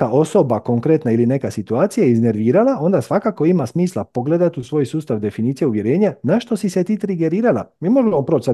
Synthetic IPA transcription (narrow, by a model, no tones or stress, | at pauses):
ao̞so̞bako̞ŋkɾe̞t̪nailine̞kasit̪uaːt̪sijajizne̞ɾʋiːɾalˠao̞nd̪asʋakako̞imasmiːslˠapo̞ɡle̞d̪at̪usʋo̞ːjsuːst̪aʋd̪e̞finiːt̪sijeuʋjeɾe̞ːɲanaʃt̪o̞siset̪iːt̪ɾiɡe̞ɾiːɾalˠa̰miːmo̞ʒemopɾo̞t͡ʃsa